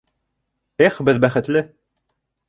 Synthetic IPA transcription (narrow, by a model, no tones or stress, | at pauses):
eχbɘðbæχɘ̆t̪lɘ